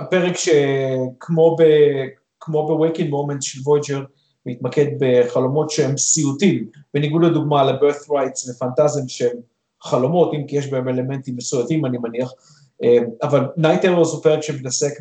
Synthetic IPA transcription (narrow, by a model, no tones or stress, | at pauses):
peʁekʃekʰmo̞be | kmo̞bewekinmomentʃelvojd͡ʒeʁ | mitmake̞d̪̚be̞χalo̞mo̞tʃehemsiutimb̥e̞niɡudled̪uɡmalebeʁθʁajtsvefantazimʃeem | χalo̞mo̞timkijeʃbeeme̞le̞me̞ntimːesujatimanimaniaχ | eavalnajteʁozupeʁekʃemitasek